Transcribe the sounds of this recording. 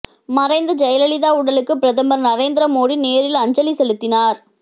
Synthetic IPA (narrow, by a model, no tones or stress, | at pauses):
mɐɾɐɪnd̪ɐd͡ʒɐjɐlɐlɪðaːʊɽɐlɯkːɯpɪɾɐðɐmɐɾnɐɾeːnd̪ɪɾɐmoːɽineːɾɪlɐɲd͡ʒɐlisɛlɯt̪ːɪnaːɾ